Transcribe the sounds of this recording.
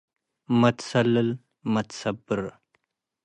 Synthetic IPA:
mɐt̪sɐləl | mɐt̪sɐbəɾ

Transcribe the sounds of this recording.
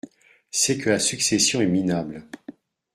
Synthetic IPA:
sɛkʰəlasyksesjɔ̃ɛminabl

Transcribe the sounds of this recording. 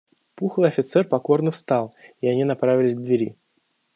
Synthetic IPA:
puxlˠɨɐfʲɪt̪sɛrpɐko̞rnəfst̪ɑlˠiɐnʲinɐpɾavʲɪlʲɪsʲɡd̪vʲɪɾʲi

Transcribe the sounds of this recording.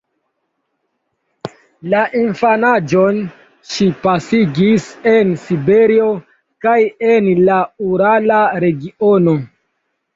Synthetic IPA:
laʔinfanad͡ʒo̞n | ʃipasiɡise̞nsibe̞ɾio̞ | kajenlauɾalaɾe̞ɡiono̞

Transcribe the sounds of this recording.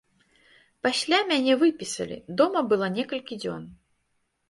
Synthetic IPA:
pasʲlʲamʲanʲɛvɨpʲisɐ̰lʲḭd̪ɔmɐbɨlˠanʲɛkɐlʲkʲid͡zʲɔ̰n

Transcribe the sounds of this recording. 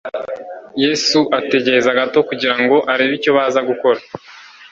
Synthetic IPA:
jeːsuʔate̞ɟe̞ɾezaɡato̞kuɟiɾaŋɡo̞ʔaɾeβico̞βaːzaɡuko̞ɾa

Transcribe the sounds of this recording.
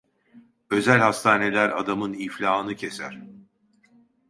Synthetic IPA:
ø̞zælʲhast̪ʰaːne̞lʲæɾa̰d̪amɯniflʲaːɯnɯcʰe̞sæ̰ɾ̝̥

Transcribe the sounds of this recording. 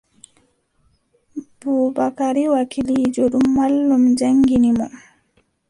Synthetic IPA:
buːbakaɾiwakilid͡ʒoɗumːalːumd͡ʒaŋɡinimɔ

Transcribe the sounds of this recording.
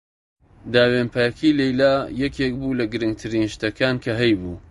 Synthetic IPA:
d̪aːwempajɐkʰilejlaːjɛkʰeːk̚buːlɐɡɨɾɨŋɡ̚t̪ʰɨɾiːnʃt̪ɐkʰaːnkʰɐɦɛjbuː

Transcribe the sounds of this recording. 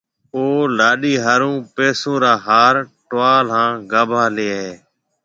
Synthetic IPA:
oːlaːɗiːɦaːɾũːpeːsõːɾaːɦaːɾʈʊaːlɦãːɡaːbʱaːleːɦeː

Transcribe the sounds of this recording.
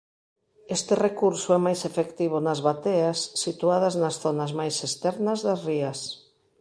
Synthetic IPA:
est̪ɪrekuɾsʊɛmajsefekt̪iβ̞ʊnɐzβat̪easːit̪uaðɐznɐsθonazmajsest̪ɛɾnɐzðɐsriɐs

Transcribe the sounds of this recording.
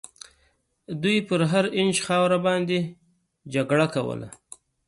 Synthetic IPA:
d̪ujpəɾɦaɾɪnd͡ʒxɑwɾabɑnd̪e | d͡ʒaɡɽakawə̰la̰

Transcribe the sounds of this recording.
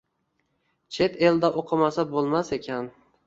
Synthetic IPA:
t͡ʃʰe̞t̪ʰe̞ld̪aʔoqʰɨmasabolˠmase̞kʲʰan

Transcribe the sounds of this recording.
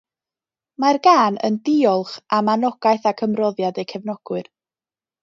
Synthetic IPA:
marɡaːnə̰ndɪɔlˠχamanɔɡ̥ajθakʰəmrɔðjadejkʰɛvnɔɡ̥wɨr

